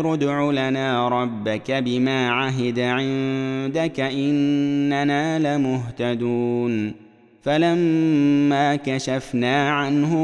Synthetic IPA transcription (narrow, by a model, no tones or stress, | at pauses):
ɾʊd̪ʕulanaːɾˤɑbːakabɪmaːʕaɦɪd̪aʕɪnd̪akaʔɪnːanaːlamʊɦt̪ad̪uːn | falamː | aːkaʃafnaːʕanhʊ